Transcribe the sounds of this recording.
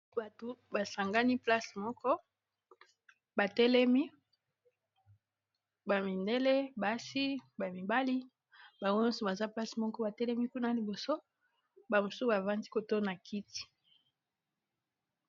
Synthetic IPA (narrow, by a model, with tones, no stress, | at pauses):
ba˨to˨ba˨sa˨ŋɡa˦ni˦pla˦smɔ˦kɔ˦ | ba˨tɛ˦lɛ˦mi˦ | ba˨mi˨nde˦le˦ba˨si˦ba˨mi˨ba˦li˦ | ba˨ŋɡo˦ɔ˦sɔ˨ba˨za˦pla˦si˨mɔ˦kɔ˦ba˨tɛ˦lɛ˦mi˦ku˦na˦li˨bo˨so˦ | ba˨mo˨su˦ba˨va˦ndi˦ko˨to˦na˨kʰi˦ti̥˨